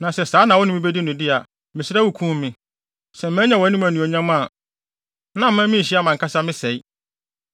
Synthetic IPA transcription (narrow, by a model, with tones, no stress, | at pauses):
nã˨sɛ˨saː˨˦nã˨wɔ˦nʊ̃˦mɪ̃˦be˦di˦nʊ̃˨dɪ˦a˨ | mɪ̃˨sɪ˦ɾa˦wu˨kʰũ˦m˦mɪ̃˦ | sɛ̃˨m˨mæ̃˦ɲã˨wɔ˨˦nĩ˦mæ˨nũ˨ɔ˨ɲã˦mã˦˨ | nã˦m̩˦mã˦mɪ̃˦˨ɕi˦a˦mã˨ŋkʰa˦sa˦mɪ̃˦sɛ˨i˦